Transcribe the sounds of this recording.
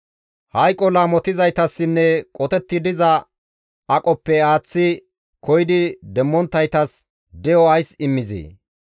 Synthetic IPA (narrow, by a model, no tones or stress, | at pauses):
hɐjkʼːɔlaːmɔt̪ɪzɐjt̪ɐsːɪnːɛkʼɔt̪ɛt̪ːɪd̪ɪzɐ | ɐkʼɔpːɛaːt͡sːɪ | kɔjd̪ɪd̪ɛmːɔnt̪ːɐjt̪ɐs | d̪ɛjɔɐjsɪmːɪzḛː